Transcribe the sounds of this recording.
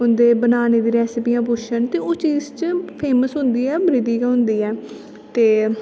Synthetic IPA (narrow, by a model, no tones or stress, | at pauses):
ɦʊnd̪eːbənaːneːd̪iːɾɛːsɪpiːjãːp̬ʊt͡ʃənt̪eːoːt͡ʃiːzt͡ʃpʰeːməsɦʊ̃nd̪iːɛːbɾiːd̪iːkaɦʊnd̪iːɛː | t̪eː